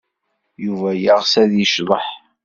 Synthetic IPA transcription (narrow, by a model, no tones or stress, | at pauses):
juvæjəʁsæðjəʃðˤəħ